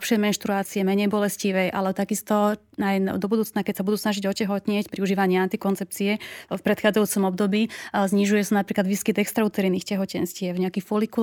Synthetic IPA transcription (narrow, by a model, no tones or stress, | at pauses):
pʃɪɛjmɛnʃt̪ɾuaːt͡siɛmɛɲɛjbɔlɛsciʋɛjʔa̰lɛɔt̪aɡist̪ɔ | najnd̪ɔbud̪uːt͡snakɛcsabud̪uːsnaʒiɟɔcɛɦɔt̪ɲɪɛcpɾiuʒiːʋaɲɪɛant̪ikɔnt͡sɛp̚t͡siɛfpɾɛt̪xaːd͡zajuːt͡sɔmɔbd̪ɔbiːzɲiʒujɛsanapɾiːklad̪ʋiːskid̪ɛkst̪ɾaut̪ɛɾiːniːxcɛɦɔcɛnscɪɛvɲɛakifɔliku